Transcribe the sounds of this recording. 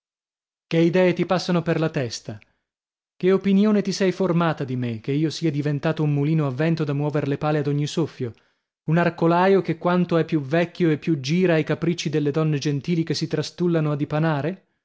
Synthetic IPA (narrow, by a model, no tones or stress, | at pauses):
keid̪ɛːet̪ipasːanoperlat̪ɛst̪a | keopinjoːnet̪isɛjformaːt̪ad̪imek̟ːeiːosiːad̪ivent̪aːt̪oumːuliːnoavːɛnt̪od̪amːwɔːveɾlepaːlead̪oɲːisofːjo | unarkolaːjokekːwant̪oɛpːjuvɛkʲːjoepːjud͡ʒiːɾaːjkapɾit͡ʃːid̪elːed̪ɔnːed͡ʒent̪iːlikesːit̪ɾast̪ulːanoad̪ːipanaːɾe